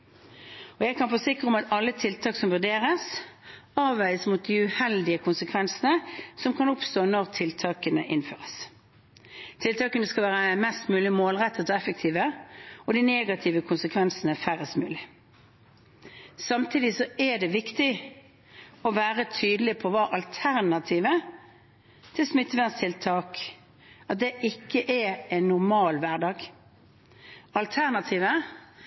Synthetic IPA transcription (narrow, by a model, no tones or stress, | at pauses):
ɔjæɡkʰɑnfoːsɪkːʁəɔmɑt̪ɑlːət̪ʰɪlt̪ʰɑːksɔmʋʉʁd̪eːʁəs | ɑːʋæɪsmut̪̚d̪ɪʉhɛld̪ɪəkʰʊnsəkʰʋɛnsənəsɔmkʰɑnʊpst̪oːnɔʁt̪ʰɪlt̪ʰɑːkənəʔɪnfø̰ːʁəs | t̪ʰɪlt̪ʰɑːkənəskɑlʋæːʁəmɛst̪mʉːlɪmoːlʁɛt̪ʰːət̪ʰɔɛfək̚t̪ʰiːʋəɔd̪ineːɡɑt̪ʰiːʋəkʰʊnsəkʰʋɛnsənəfæʁəst̪mʉːlɪ | sɑmt̪ʰiːd̪ɪsɔʔɛd̪ɛʋɪkt̪ɪ | ɔʋæːʁət̪ʰyːd̪əlɪpʰɔʋɑːʔɑlt̪ʰæʁnɑt̪ʰiːʋə | t̪ʰɪlsmʏt̪ːəʋænst̪ʰɪlt̪ʰɑːk | ɑt̪̚d̪ɛʔɪkːəʔɛɛnːʊʁmɑːlʋæʁɖɑːɡ | ɑlt̪ʰæʁnɑt̪ʰiːʋə